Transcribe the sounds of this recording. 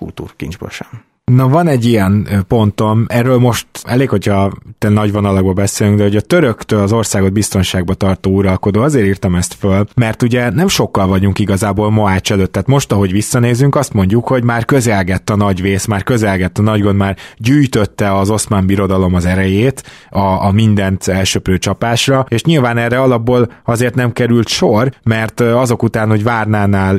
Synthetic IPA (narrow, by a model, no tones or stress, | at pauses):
kṵlt̪ṵːrkḭnd͡ʒbo̰ʃan | nɒvɒnɛɟːijɛnpo̞nt̪o̞mɛrːøːlmo̞ʃt̪ɛleːkho̞cʰhɒt̪ɛnɒɟʋo̞nɒlɒɡ̚bɒbɛseːlyŋɡd̪ɛɦoɟɒt̪øɾøkt̪øːlɒzo̞rsaːɡo̞d̪̚bist̪o̞nʃaːɡ̚bɒt̪ɒrt̪oːuɾɒlko̞d̪oːɒzeːɾiːrt̪ɒmɛst̪følmɛrt̪uɟɛnɛmʃo̞kːɒlvɒɟuŋkiɡɒzaːboːlmoaːt͡ʃɛløːt̪ːaːt̪mo̞ʃt̪ɒɦo̞ɟʋisːɒneːzyŋkɒst̪mo̞ɲɟukho̞ɟmaːrkø̞zɛlɡɛt̪ːɒnɒɟveːsmaːrkø̞zɛlɡɛt̪ːɒnɒɟɡond̪maːrɟyːjt̪øt̪ːɛɒzo̞smaːmbiɾo̞d̪ɒlo̞mɒzɛɾɛjeːt̪ɒːmind̪ɛnt̪ɛlʃøpɾøːt͡ʃɒpaːʃrɒeːʃɲilvaːnɛrːɛɒlɒbːoːlɒzeːrt̪nɛmkɛɾylt̪ʃormɛrt̪ɒzo̞kut̪aːnho̞ɟvaːrnaːnaːl